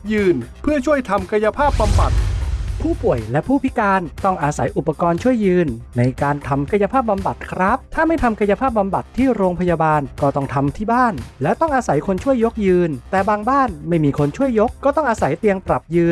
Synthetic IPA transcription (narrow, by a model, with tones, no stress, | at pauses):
jɯː˧npʰɯ˥˩ət͡ɕʰu˥˩əjt̪ʰa˧mka˧ja˧pʰaː˥˩p̚ba˧mba̰˨˩t̪̚pʰuː˥˩pu˨˩əjlɛ˦˥ʔpʰuː˥˩pʰi˦˥kaː˧nt̪ɔ˥˩ŋʔaː˧sa˩˦jʔu˨˩pːa˧kɔː˧nt͡ɕʰu˥˩əjːɯː˧nːa˧jkaː˧nt̪ʰa˧mka˧ja˧pʰaː˥˩p̚ba˧mba˨˩t̪̚kʰɾa˦˥p̚t̪ʰaː˥˩ma˥˩jt̪ʰa˧mka˧ja˧pʰaː˥˩p̚ːba˧mba˨˩t̪ʰːiː˥˩ɾoː˧ŋpʰa˧jaː˧baː˧nkɔː˥˩t̪ɔ˥˩ŋt̪ʰa˧mt̪ʰiː˥˩baː˥˩nlɛː˦˥wt̪ɔ˥˩ŋʔaː˧sa˩˦jkʰo˧nt͡ɕʰu˥˩əjːo˦˥k̚jɯː˧nt̪ɛː˨˩baː˧ŋbaː˥˩nma˥˩jmiː˧kʰo˧nt͡ɕʰu˥˩əjːo˦˥kːɔː˥˩t̪ɔ˥˩ŋʔaː˧sa˩˦jt̪i˧əŋpɾa˨˩p̚jɯː˧n